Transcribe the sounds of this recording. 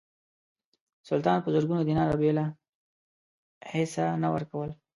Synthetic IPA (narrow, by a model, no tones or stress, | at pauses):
sʊlt̪ɑnpəzəɾɡunod̪inɑɾabela | hesanawə̰ɾkawəl